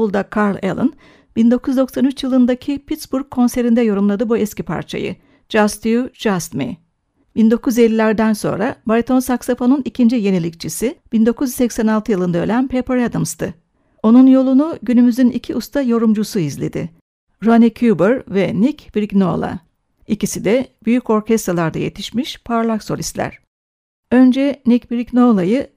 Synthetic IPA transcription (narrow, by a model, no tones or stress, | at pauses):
ulˠd̪akʰaɾlʲḛlˠɯ̰n | b̥ind̪o̞kʰuzd̪o̞ksanyt͡ʃjɯlˠɯnd̪acʰipʰit̪sbuɾkʰːo̞nse̞ɾind̪ɛjo̞ɾumlˠad̪ɯbuɛscʲipʰa̰ɾt͡ʃʰa̰jɯ̰ | d͡ʒast̪ʰijud͡ʒast̪mḭ | bind̪o̞kuze̞lʲːilʲæɾd̪ænso̞̰nɾabaɾʲit̪ʰo̞nsaksafo̞nunicʰind͡ʒije̞nilʲic̚t͡ʃʰisib̥ind̪o̞kʰuzsɛcsænalˠt̪ɯjɯlˠɯnd̪aølʲænpʰepɾad̪ɯmst̪ʰɯ | o̞nunjo̞lˠunuɟynymyzynḭcʰiʔust̪ʰajo̞ɾumd͡ʒusuizlʲe̞̰d̪ɪ̰ | ɾanicʰubɯɾvɛnicb̥ɾikno̞lˠa̰ | icisid̪ɛbyjyco̞ɾcʰɛst̪ɾalˠaɾd̪a̰je̞̰t̪ʰiʃmiʃpʰaɾlˠakso̞lʲist̪lʲæ̰ɾ̥ | ø̞nd͡ʒɛnicbɾikno̞lˠajɯ